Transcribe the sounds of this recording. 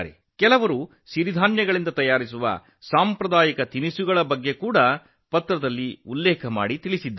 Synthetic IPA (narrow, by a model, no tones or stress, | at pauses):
ɾḛ | kɛlɐʋɐɾu | ʃiɾid̪ʱaːnjɐɡɐɭind̪ɐt̪ɐjaːɾis̬uʋɐ̰ | saːmpɾɐd̪aːjikɐt̪inisuɡɐɭɐbɐɡːe̞kuːɽɐ | pɐt̪ɾɐd̪ɐlːiulːɛːkʰɐma̰ːɽit̪iɭisid̪ː